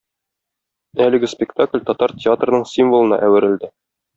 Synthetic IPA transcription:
ælɘ̆ɡɘspʲɪkt̪aklʲt̪ɒt̪ɑɾtʲɪat̪rnɤɴsʲimvolˠɤ̆nɑ̰ʔæwɘ̆ɾɘ̆ld̪ɘ

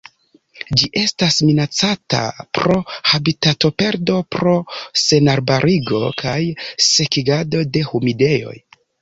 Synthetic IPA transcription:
d͡ʒiʔe̞stasminat͡sata̰pɾo̞habitato̞pe̞ɾdo̞pɾo̞se̞naɾbaɾʔiɡo̞kʰajse̞kiɡado̞de̞humide̞jo̞̰j

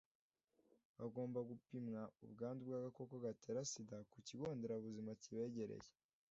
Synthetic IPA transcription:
βaɡo̞ːmbaɡupimŋaṵbɡaːndubɡaːɡako̞koɡate̞ːɾasidakuciɡo̞ːndeɾaβuzimaciβe̞ːɟe̞ɾḛje

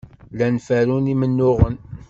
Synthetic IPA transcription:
lænfæɾunimənːʊʁən

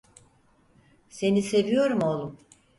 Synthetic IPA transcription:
se̞nise̞vijo̞ɾumo̞lˠum

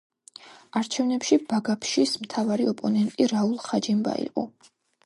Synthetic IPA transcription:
aɾt͡ʃʰɛvnɛpʃibaɡapʰʃismt̪ʰavaɾiɔpʼɔnɛnt̪ʼiɾaulˠχad͡ʒimba̰ḭqʼɔ̰

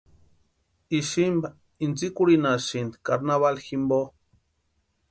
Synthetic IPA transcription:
iʃimba | int͡sikuɾinaʃind̪kaɾnaβalximbo

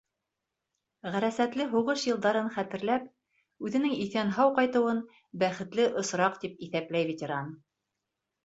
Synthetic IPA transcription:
ʁæɾæsæt̪lɘɦuʁɤʃjɤ̆lˠd̪ɑɾɤnχæt̪ɘ̆ɾlæp | ʉðɘ̆nɘŋiθænɦɑwqɑjt̪ɤ̆wɤn | bæχɘ̆t̪lɘʔŏsɾɑqt̪ip̚iθæplæjvʲetʲeɾan

